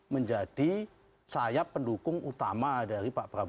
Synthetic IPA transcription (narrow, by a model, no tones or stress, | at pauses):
məɲd͡ʒad̥i | sajapːəndukʊŋut̪amadaɾipaʔpəɾab